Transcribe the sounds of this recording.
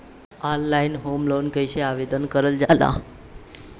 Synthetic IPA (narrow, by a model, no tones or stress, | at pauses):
ɔnlainɦomlonkəjɕeaʋed̪ənkəɾəld͡zala̰